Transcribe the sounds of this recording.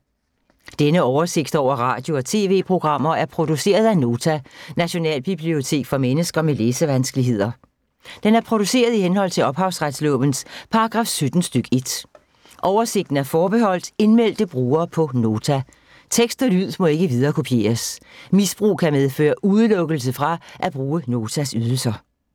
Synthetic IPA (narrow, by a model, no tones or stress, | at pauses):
d̥enəɒʊɐse̝ɡ̥d̥ɒʊ̰ɐʁɑ̰̈ːd̥jo̝ɒ̽t͡sʰe̝̰ːʋe̝̰ːpʰʁo̝ɡ̥ʁɑ̈m̰ɐæɐpʰʁo̝d̥use̝̰ːɐð̞ˠæno̝ːt͡sʰænæɕo̝nɛ̰ːlb̥ib̥lio̝t͡sʰe̝̰ːɡ̥fɒ̽menəsɡ̥ɐmeleːsəʋænsɡ̥əliɦe̝ð̰ˠɐ | d̥enæɐpʰʁo̝d̥use̝̰ːɐð̞ˠihenhɒ̽l̰t͡sʰe̝ɒ̽b̥hɑ̈ʊsʁad̥slɔb̥ən̩spʰɑ̈ʁɑɡ̥ʁɑ̈ːfsød̥n̩sd̥øɡ̥e̝d̥ | ʔɒʊɐse̝ɡ̥̚d̥n̩æɐfɒːb̥ehɒ̽l̰d̥e̝nmel̰d̥əb̥ʁuːɐːpʰɒ̽no̝ːt͡sʰæ | t͡sʰeɡ̥sd̥ɒlyð̰ˠmɒ̽e̝ɡ̥əʋið̞ˠɐːkʰopʰje̝̰ːɐsmisb̥ʁṵːkʰæmeð̞ˠfø̰ːɐʔuðˠəlɔ̽ɡ̥əl̩s̬əfʁɑ̈ʔæb̥ʁuːəno̝ːt͡sʰæsyð̞ˠl̩sɐ